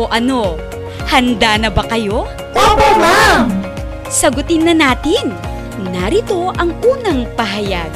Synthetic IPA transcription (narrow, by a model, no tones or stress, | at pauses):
oʔɐno̞ | hɐnd̪aːnɐbɐkɐjo̞ | apɛmam | sɐɡʊt̪ɪnːɐnaːt̪ɪnː | ɐɾɪt̪o̞ʔɐŋʔuːnɐŋpɐɦɐjaɡ̚